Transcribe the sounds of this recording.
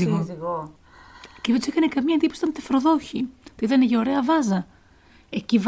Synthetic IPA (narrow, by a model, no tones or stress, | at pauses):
iɣoɣo | ceðed̪usekɐnekɐmiɲɐend̪iposi̥t̪ɐnt̪efɾo̞ðo̞çit̪oiðɐneʝeoɾe̞ɐvɐzɐ | e̞civ